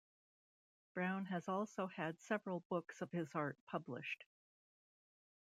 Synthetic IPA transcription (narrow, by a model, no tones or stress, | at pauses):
b̥ɹãʊ̃nɨzɔlˠsoʊɨd̥sɛvɹl̩ˠbʊksʌv̥ɨzɑɹt̚pʰʌblɪ̰ʃt